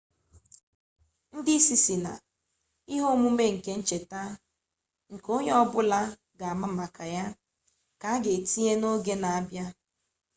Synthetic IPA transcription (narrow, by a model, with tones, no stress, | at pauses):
n̩˦dɪ˦si˦si˨na̰˨ | i˦ɦo˦mu˦me˦ŋ̩˨ke˦n̩˦t͡ʃe˨ta˦ | ŋ̩˨ko˦ɲ˦ɔ˦bʊ˦la˦ | ɡa˨a˨ma˦ma˨kʰa˨ja˦ | ka˨a˦ɡe˨ti˦e˦no˦ɡe˦na˨a˦bja˦